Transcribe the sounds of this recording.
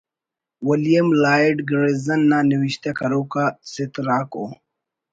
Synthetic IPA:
wɐlijɐmlaːiɖɡɾezɐnːaniwiɕt̪akɐɾoːkasɪt̪ɾaːko̰ː

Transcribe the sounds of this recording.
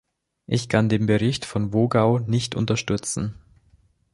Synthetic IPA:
ʔɪçkʰandeːmbəʁɪçtfɔnvoːɡaʊnɪçtʊ̰ntɐʃtʏt͡sn̩

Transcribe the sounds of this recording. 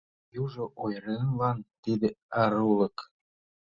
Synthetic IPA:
juʐŏʔojɾenlˠɑnt̪id̪ĕɑɾulˠɤ̆k

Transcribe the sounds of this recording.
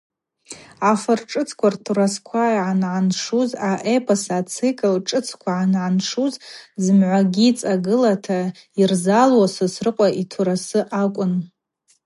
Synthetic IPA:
afɨrʈ͡ʂʼɨt͡sʰkʷʰartʰuɾaskʷʰaiʕanʕanʂuzaʔepʰasaːt͡sʰikʼɨlʈ͡ʂʼɨt͡sʰkʷʰaʕanʕanʂuzzɨmʕʷaɡʲit͡sʼaɡɨlatʰa | irzalwasɨsrɨqʷʼaʔitʰuɾasɨʔakʷʼʊn

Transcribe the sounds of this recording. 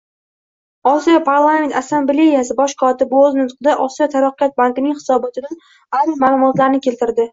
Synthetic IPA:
ɒsijɒpʰaɾlˠament̪asːamble̞jasɪbɒʃkʰɒt̪ɪbɵznʊt̪qɨd̪aʔɒsijɒt̪ʰaɾɑqːjat̪̚bankɪnɪŋhɪ̥sɒbɒt̪ʰɪd̪an | aɾmaːlˠʊmɒt̪laɾnɪkʲʰe̞lt̪ɪɾd̪ɪ

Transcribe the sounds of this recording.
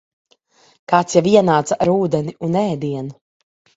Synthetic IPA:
kaːt̪sjaviɛnaːt̪saʔaɾuːd̪ɛniunɛːd̪iɛnu

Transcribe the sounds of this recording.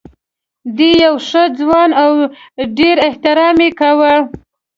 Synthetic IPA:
d̪ejawʂəd͡zwɑnawɖeɾɪht̪ɪɾɑmekawə

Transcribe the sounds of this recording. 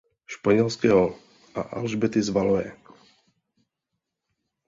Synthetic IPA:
ʃpaɲɛlskɛːɦɔ | ʔa̰ʔa̰lʒbɛt̪ɪzvalojɛ̰

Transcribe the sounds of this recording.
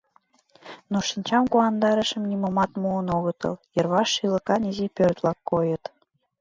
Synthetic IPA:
noʃinʲt͡ɕɑmkuɑnd̪ɑɾə̆ʃə̆mnimomɑt̪muənoɣɤ̆t̪ɤ̰ljɤ̆rβɑʃːilɤ̆kɑnizipørt̪lɑkːojə̆t̪

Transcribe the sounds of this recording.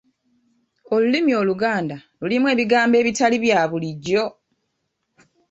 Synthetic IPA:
o̞lulimio̞ːluɡaːndalulimwe̞ːβiɡaːmbe̞ːβitaliβjaːβuliɟːo̞

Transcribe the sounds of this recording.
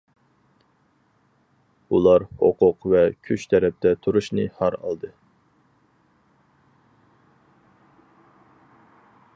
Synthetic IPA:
ulˠɑɾho̰qʰʊqvɛkʲʰyt͡ʃt̪ʰɛɾɛp̚t̪ʰɛt̪ʰuɾuʃnɨhɑɾɑ̰lˠd̪ɨ

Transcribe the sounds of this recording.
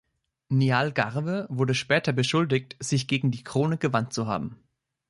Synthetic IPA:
nialɡaʁvəvʊɐdəʃpɛːtɐbəʃʊldɪç̚tz̥ɪçɡ̥eːɡŋ̩diːkʁ̥oːnəɡəvantt͡suɦa̰ːbm̩

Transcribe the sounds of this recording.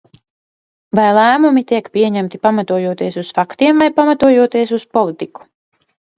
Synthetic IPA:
vajlˠæːmumit̪iɛkpʲiɛɲæmt̪ipamat̪uɔjuɔt̪iɛsusfakt̪iɛmvajpamat̪uɔjuɔt̪iɛs̬uspɔlˠit̪iku̥

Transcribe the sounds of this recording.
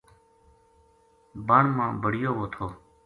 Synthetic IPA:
baːɳmãːbəɽ̤ɪjoːʋoːt̪ʰoː

